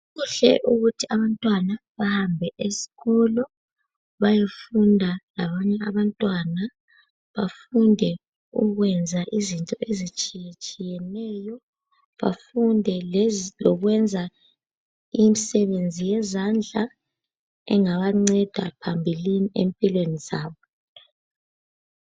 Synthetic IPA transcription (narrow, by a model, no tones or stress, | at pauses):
ɣuɬɛ̰ʔuɣutʰiaβantʼwanaβahambʱɛʔesi̥ɣɔlɔ | βajefundʱalaβaɲɛaβantʼwana | βafundʱɛ | uɣwɛnd͡zʱaʔizintʼɔʔezit͡ʃʼijet͡ʃʼijɛnɛːjɔ | βa̰fundʱɛlɔɣwɛnd͡zʱa | imisɛβend͡zʱijɛzand͡ɮʱa | ɛ̰ŋaβaŋ͡ǀɛd̥ʱa̰pʰambʱiliniempʼilwenizaːβɔ